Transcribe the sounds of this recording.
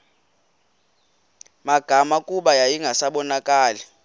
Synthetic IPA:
maɡ̥ʱamakʼuɓajajiŋɡʱasaɓɔnakʼaːli

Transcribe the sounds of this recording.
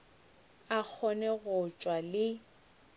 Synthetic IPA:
ak͡xʰɔnɛɣʊt͡ʃʼwalɪ

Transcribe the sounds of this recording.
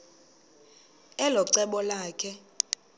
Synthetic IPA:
ɛlɔǀɛɓɔlaːkʰɛ

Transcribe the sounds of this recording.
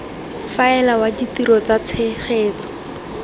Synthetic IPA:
faɛlawaditiɾɔt͡sat͡sʰeχeːt͡sɔ̥

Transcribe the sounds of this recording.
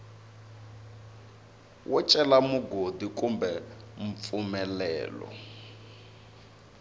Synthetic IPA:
wʔɛt͡ʃʼɛlamuɡodikʼumbɛɱp̪fumɛlɛːlɔ̰

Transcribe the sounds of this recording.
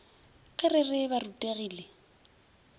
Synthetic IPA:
ɪrɪrɪbarutʼeɣiːle

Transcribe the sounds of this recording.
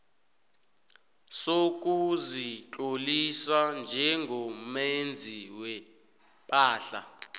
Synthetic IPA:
sok̬uzit͡ɬʼolisand͡ʒʱɛŋɡʱɔmend͡zʱiwɛ | pʼaːɬa

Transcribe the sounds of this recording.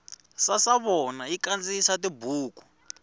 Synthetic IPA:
sasaβɔnaikand͡zisatibuːku̥

